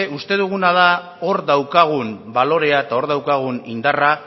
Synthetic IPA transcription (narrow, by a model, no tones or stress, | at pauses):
ust̪e̞ðuɣ̞unaða | o̞ɾðawkaɣ̞unbalo̞ɾe̞aet̪ao̞ɾðawkaɣ̞unind̪ara